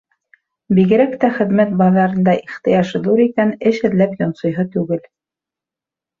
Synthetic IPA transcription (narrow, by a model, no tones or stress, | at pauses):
biɣɘ̆ɾækt̪æχɘ̆ðmæt̪̚bɑðɑɾɤ̆nd̪ɑʔiχt̪ɤ̆jɑʃd̪uɾikænɘʃɘ̆ðlæpjŏnsŏjɦɤt̪ʉɡɘl